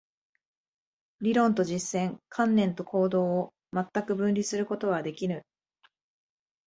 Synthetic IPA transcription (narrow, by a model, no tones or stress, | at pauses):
ɾʲiɾõ̞nt̪o̞ʑisːẽ̞ŋkʰãnːẽ̞nt̪o̞kʰo̞ːd̪o̞ː | mat̪ːakɯ̟bɯ̟̃nɾʲisɨɾɯ̟ko̞t̪o̞β̞ad̪e̞kʲiɾɯ̟